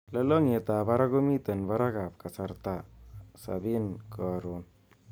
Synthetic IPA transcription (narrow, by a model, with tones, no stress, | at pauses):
lə˧lo˦ŋe˧˨t̪a˨ba˦ɾa˦ɡo˦mi˦t̪ə˨nba˦ɾa˦ɡa˨p̚ka˨sa˧ɾt̪a˦˨sa̰˨bi˦nkʰo˨ɾo˨n